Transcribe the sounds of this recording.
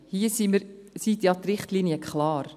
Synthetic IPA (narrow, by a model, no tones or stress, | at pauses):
hiəsiməɾ | sit̪jɑt̪rɪχtliːniəkχlɑːɾ